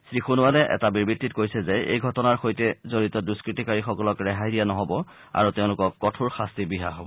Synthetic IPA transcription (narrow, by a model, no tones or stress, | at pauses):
sɹixunʊwalɛʔɛ̰tabiɹbitːitkojsɛzɛḛjɡʱɔtɔnaɹxojtɛzoɹitɔduskɹitikaɹixɔkɔlɔkɹɛɦajdijanɔɦɔbɔ | a̰ɹuteʊ̃lʊkɔkːɔtʰuɹxastibiɦa̰ɦɔ